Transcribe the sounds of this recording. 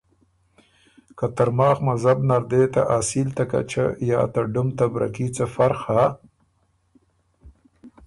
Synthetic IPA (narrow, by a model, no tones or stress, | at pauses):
kat̪aɾmɑːxmazabnaɾd̪et̪aʔasilt̪aka̰t͡ʃa̰jɑ̰ːt̪aɖʊmt̪abɾa̰kit͡safaɾxa